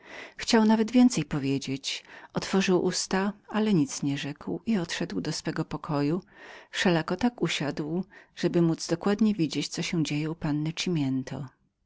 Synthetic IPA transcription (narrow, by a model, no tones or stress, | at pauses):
xt͡ɕawnavɛd̪vʲjɛnt̪sɛjpɔvʲjed͡ʑet͡ɕɔt̪fɔʐɘwʔust̪aalɛɲit̪sɲɛʐɛkwiɔt̪ʂɛd̪wd̪ɔsfɛɡɔpɔkʰɔjufʂɛlakɔt̪akuɕad̪wʐ̥ɛbɘmud̪z̥d̪ɔkwad̪ɲɛvʲid͡ʑet͡ɕt̪sɔɕɛ̃d͡ʑejɛupanːɘt͡ʂimʲjɛnt̪ʰɔ̰